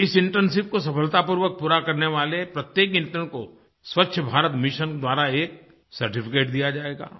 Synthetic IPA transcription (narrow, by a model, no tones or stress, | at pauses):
ɪsɪ̃ɳʈɾənsɪp̚kos̬ɐpfʰəlt̪apuɾʋək̚puːɾakɐɾneʋaːlepɾɐt̪jeːk̬ɪ̃nt̪ɾəɽ̃ko | swɐtːʃʰəbʱaːɾət̪mɪʃənd̪waːɾaeːk̚ | sɐɾʈɪfɪkeːʈd̪ijad͡ʒaːeːɡa̰ː